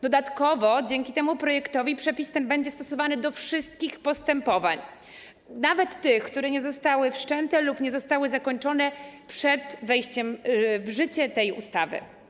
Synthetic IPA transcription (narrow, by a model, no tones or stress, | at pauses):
d̪ɔd̪at̪kɔvɔd͡ʑɛŋkʲit̪ɛmupɾɔjɛkt̪ɔvʲipʂɛpʲist̪ɛnbɛɲd͡ʑɛst̪ɔsɔvanɘd̪ɔfʂɘst̪̚kʲixpɔst̪ɛmpɔva̰ɲ | navɛt̪ːɘxkt̪uɾɛɲɛzɔst̪awɘfʂt͡ʂɛnt̪ɛlupɲɛzɔst̪awɘzakɔɲt͡ʂɔnɛpʂɛd̪vɛjɕt͡ɕɛmvʐɘt͡ɕɛt̪ɛjṵst̪avɘ̰